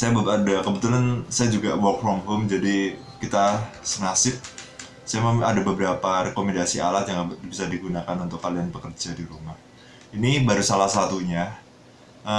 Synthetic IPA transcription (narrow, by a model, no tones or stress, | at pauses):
sajabəadakəbət̪ulansajad͡ʒuɡawɔkfɾɔmɦomd͡ʒadi | kit̪asənasɪp̚ | sajaməma̰dabəbəɾapaɾekomɛndasia̰lat̪̚jaŋbisadiɡunakanunt̪ʊkːalianpəkərd͡ʒadiɾumah | inibaɾusalahsat̪uɲa | ʔə